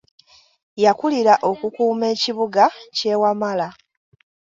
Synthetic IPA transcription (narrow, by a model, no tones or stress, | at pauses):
jakuliɾaʔo̞kukuːme̞ːciβuɡace̞wamala